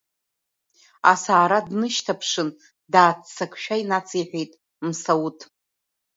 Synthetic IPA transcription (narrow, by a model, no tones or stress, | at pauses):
a̰saːɾadnɨʃtʰapʰʂɨn | daːt͡st͡sʰakʰʷʼʃᶣainat͡sʼʰiħʷᶣejtʼ | msawutʰʼ